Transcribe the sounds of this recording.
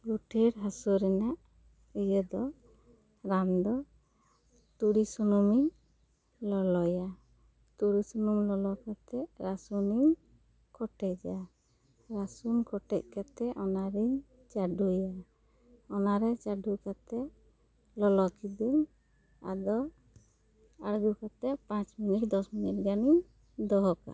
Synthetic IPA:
ɡuʈʰiɾɦasuɾɛnaʔ | ijəd̪ɔ | ɾand̪ɔ | t̪uɽisɔnumiɲ | lɔlɔja | t̪uɽisɔnumlɔlɔkat̪ɛʔɾasuniɲ | kɔʈɛcd͡ʒa | ɾasunkɔʈɛc̚kat̪ɛʔɔnaɾiɲ | t͡ʃaɖuja | ɔnaɾɛt͡ʃaɖukat̪ɛ | lɔlɔkid̪um | a̰d̪ɔ | aɽɡukat̪ɛʔpãt͡ʃminiʈ̚d̪ɔsminiʈ̚ɡaniɲ | d̪ɔɦɔka̰

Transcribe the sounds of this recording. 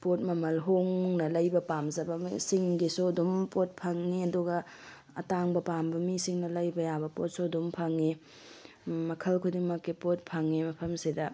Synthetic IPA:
pot̚mɐmɐlɦoŋnɐlɐjbɐpamzɐbɐsiŋɡisodumpot̚pʰɐŋːiɐduɡɐ | ɐtaŋbɐpambɐmisiŋnɐlɐjbɐjabɐpo̰t̚sodumpʰɐŋːi | mɐkʰɐlkʰudiŋmɐkːipot̚pʰɐŋːimɐpʰɐmsidɐ

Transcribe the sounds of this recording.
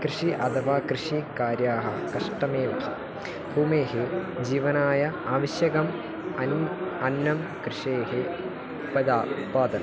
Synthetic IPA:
kɾɨʂiʔɐd̪ɐʋaːkɾɨʂikaːɾjaːɦɐ | kɐʂʈɐmeːʋɐ̰hɐ̰ | buːmeːɦed͡ʑiːʋɐnaːjɐaːʋɐɕjɐɡɐm | ɐnɐnːɐmkɾɨʂeːɦe | upɐd̪aːpaːd̪ɐn

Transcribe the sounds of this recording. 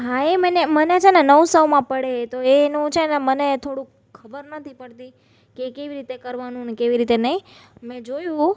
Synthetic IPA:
ɦãemənemənet͡ʃʰenɛnəʋsəwmãpəɽet̪oenũt͡ʃʰenɛmənet̪ʰoɽũ | kʰːəbəɾnət̪ʰipəɽt̪i | kekeʋiɾit̪ekəɾʋanũnekeʋiɾit̪enəĩmɛ̃d͡ʒojũ

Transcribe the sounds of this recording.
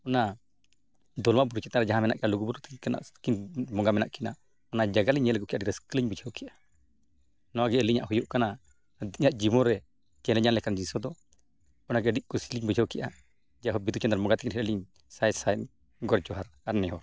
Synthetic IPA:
ɔna | d̪ɔlmabuɾut͡ʃɛt̪aɾɛd͡ʒaɦãmɛnaʔkɛʔaluɡubuɾut̪kana̰ʔkinmɔŋɡamɛnaʔkina̰ | ɔnad͡ʒaɡaliɲɛlkɔkiʔadiɾɛskəliɲbud͡ʒʰʱawkiʔa | nɔaɡɛəliɲaʔhujuʔkana | d̪iɲaʔd͡ʒimɔɾɛ | d͡ʒɛnlɛɲanlɛkand͡ʒisɔd̪ɔ | ɔnaɡɛɖiʔ̚kɔsiliɲbud͡ʒʰʱawkɛʔa | d͡ʒaɦɔbid̪ut͡ʃɛnd̪aɾmɔŋɡat̪ɛkinhɛɛliɲ | sajsaɛn | ɡɔɾd͡ʒɔɦaɾaɾnɛɦɔɾ

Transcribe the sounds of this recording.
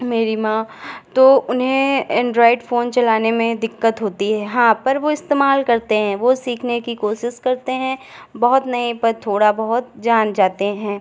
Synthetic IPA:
meːɾimãːt̪oːʊnɦẽɛ̃ːɳɖɾɔːɪɖfoːnt͡ʃɐlaːnemẽd̪ɪkːət̪ɦoːt̪iɦɛɦãːpɐɾʋoɪst̪eːmaːlkɐɾt̪eɦɛ̃ːʋosiːkʰnekikoːʃɪʃkɐɾt̪eɦɛ̃ | bɐɦʊt̪nɐipɐɾt̪ʰoːɽabɐɦʊt̪̚d͡ʒaːnd͡ʒaːt̪eɦɛ̃ː

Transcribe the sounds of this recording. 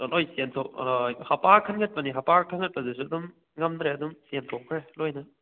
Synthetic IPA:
nojsentʰowhɐpaɾkʰɐnɡɐt̚pɐniɦɐpaɾkʰɐnŋɐt̚pɐzesuɐdum | ŋɐmd̪ɾeɐdumsensʰokʰɾelojnɐ

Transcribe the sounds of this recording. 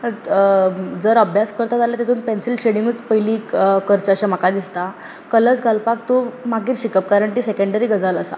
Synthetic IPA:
d͡zəɾəbʱjaskəɾt̪ad͡zaljat̪et̪ʰuːnpensilɕeɽĩŋɡət͡spəɦiliːkəɾt͡ɕəɕam̤akad̪ist̪a | kələt͡sɡʱalpakt̪omaɡiːɾɕikəp̚kaɾəɳʈ̪iːsekəɳɖəɾiːɡəd͡zaləsa̰

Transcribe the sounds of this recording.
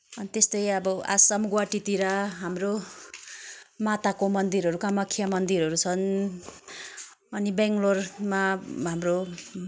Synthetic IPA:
ʌnit̪est̪ʌjʌbʌa̰sʌmɡwaʈit̪iɾʌɦamro | mat̪akomʌnd̪iɾɦʌɾukamʌkʰːijamʌnd̪iɾɦʌɾut͡sʰʌn | ʌnibeŋɡlormaɦamro

